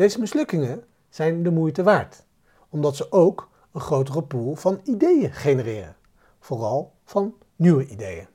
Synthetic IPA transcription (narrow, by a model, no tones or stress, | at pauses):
d̥ejzəmɪslɵkɪŋən | z̥ɛjndəmujtəʋaːɹt | ɔmdɑtsəʔowk | ənχrowtərəpulˠvɑnidejəχejnərɪːrə̰ | v̥ʊːrɑlˠ | v̥ɑnː | yʋəʔidejə̰